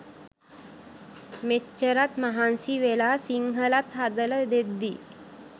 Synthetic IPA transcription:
met͡ʃːəɾat̪maɦansiʋelaːsiŋɦəlat̪ɦad̪ələd̪ed̪ːi

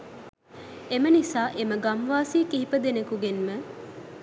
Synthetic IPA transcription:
emənisaːʔeməɡamʋaːsiːkiɦipəd̪enekuɡenmə

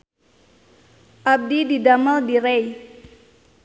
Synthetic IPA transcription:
ʔab̚dididamaldiɾej

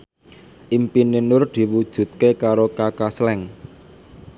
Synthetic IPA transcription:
ʔimpinenʊrd̪̥i̤wud̥ʒ̥ṳt̪̚kekaɾokakaslɛŋ

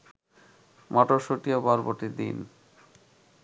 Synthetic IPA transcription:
mɔʈoʃoʈiobɔɾboʈid̪ḭn

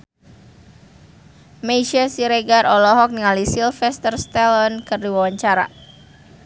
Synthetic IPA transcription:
meiʃasiɾeɡaɾʔɔlɔɦɔk̚niŋalisilfɛst̪ərst̪ɛlɔnkɨrdiwawaɲt͡ʃaɾa̰

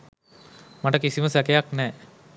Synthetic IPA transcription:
mɐʈɐkisimɐsɐkɐjaknɛ

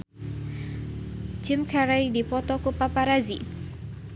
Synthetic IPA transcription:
d͡ʒɪmkʰaɾajdipɔt̪ɔkupapaɾazi

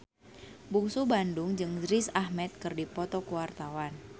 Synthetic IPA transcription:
buŋsubandʊŋd͡ʒɨŋd͡ʒɾɪsahmɛt̪̚kɨrdipɔt̪ɔkuwart̪awan

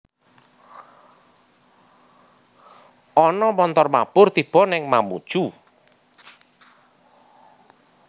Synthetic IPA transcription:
ʔɔnɔmɔnt̪ɔrmab̥ʊrt̪ib̥ɔnɛŋmamṵd̥ʒ̥u

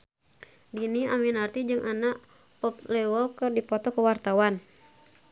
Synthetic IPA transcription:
diniaminart̪id͡ʒɨŋʔanaʔ | pɔp̚lɛwɔkɨrdipɔt̪ɔkəwart̪awan

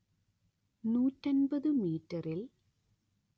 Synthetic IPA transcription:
nuːtːɐnbɐðɨmiːtːɐril

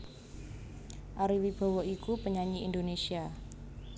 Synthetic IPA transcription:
ʔaɾiwib̥a̤wɔʔikupəɲaɲiindonesia

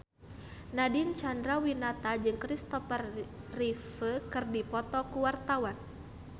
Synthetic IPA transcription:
nadint͡ʃandɾawinat̪ad͡ʒɨŋkɾist̪ɔfərː | ifəkɨrdipɔt̪ɔkuwart̪awan

